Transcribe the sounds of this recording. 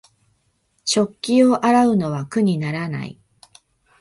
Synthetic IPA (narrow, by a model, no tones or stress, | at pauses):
ɕo̞kʲːio̞ʔaɾaɯ̟no̞βakɯ̟ɲ̟inaɾana̰ḭ